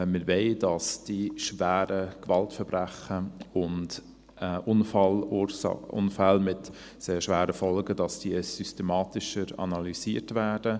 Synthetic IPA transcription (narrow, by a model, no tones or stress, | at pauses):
mɪɾveɪd̥ɑsd̥iʃvæːɾəkvɑltfɛɾbɾæχəʊnt | ʔʊnfl̰ | ʊ̰nfælmɪt | seːɾʃʋæːɾəfɔlɡədɑsd̥iəsystemɑːtɪʃəɾɑ̰nɑlisiːɾtvæːd̥ə